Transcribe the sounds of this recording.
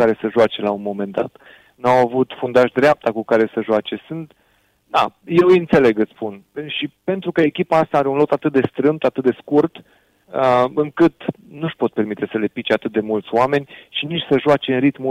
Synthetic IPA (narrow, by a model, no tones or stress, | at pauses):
kaɾe̞səʒoat͡ʃe̞launmo̞me̞nd̪a̰t̪ | nawavut̪fund̪aʃd̪ɾeap̚t̪akukaɾe̞səʒoat͡ʃe̞sɨnt̪ | d̪aje̞wint̪se̞le̞ɡɨspunʃipe̞nt̪ɾukəekʲipaast̪aaɾe̞unlo̞kt̪at̪ɨt̪̚d̪e̞st̪ɾɨmt̪at̪ɨt̪̚d̪e̞skurt̪ | əɨŋkɨt̪ | nuʃpo̞t̪̚pe̞rmit̪e̞səle̞pit͡ʃeat̪ɨt̪̚d̪e̞mult̪sʲoame̞nʲʃinit͡ʃʲsəʒoat͡ʃe̞ɨnrit̪mu